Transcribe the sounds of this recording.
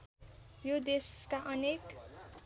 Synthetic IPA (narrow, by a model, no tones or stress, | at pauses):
jod̪eskaʔʌnek